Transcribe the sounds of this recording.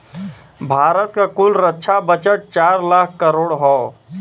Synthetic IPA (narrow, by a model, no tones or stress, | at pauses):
bʱaːɾət̪kakʊlɾətːʃʰabət͡ʃəʈ̚t͡ʃaːɾlaːkʰkəɾoːɽɦoː